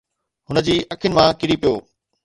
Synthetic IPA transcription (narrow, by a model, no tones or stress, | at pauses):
ɦʊnə̆d͡ʑiːʔɐkʰɪʊnɪ̆mãkɪɽipijoː